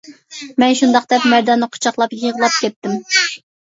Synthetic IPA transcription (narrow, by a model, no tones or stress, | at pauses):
mɛnʃund̪ɑqd̪ɛpmæɾd̪ɑnɨqʰʊ̥t͡ʃʰɑχlˠɑpjəʁəlˠɑp̚kʲɛt̪ːɪm